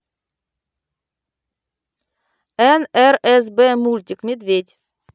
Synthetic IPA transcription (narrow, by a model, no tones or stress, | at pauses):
ɛnæɾɛsbeːmʉlt̪ʲɪkmʲed̪ʋed̪ʲ